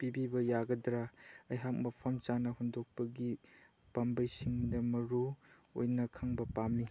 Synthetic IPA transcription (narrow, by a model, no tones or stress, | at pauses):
pibibɐjaɡɐdɾaɐjɦak̚mɐpʰɐmt͡ʃanɐɦundok̚pɐɡi | pambɐjsiŋdɐmɐɾu | o̰jnɐkʰaŋbɐpamːi